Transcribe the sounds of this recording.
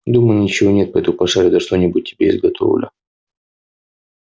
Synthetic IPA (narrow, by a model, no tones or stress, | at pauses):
d̪uməjnʲɪt͡ɕɪvonʲet̪̚pɐɛt̪mʊpɐʂaɾʲɪd̪ɐʂt̪onʲɪbʊt̚ʲtʲːɪbʲeɪ̰zɡɐt̪ʰo̰vlʲɪ̰